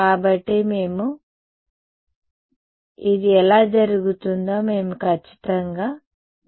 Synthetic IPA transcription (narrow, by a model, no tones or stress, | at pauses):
kaːbɐʈːime̞ːmu | id̪iɛlaːd͡ʒɐɾuɡut̪und̪aːme̞ːmukʰɐt͡ʃːi̥t̪ɐŋɡaː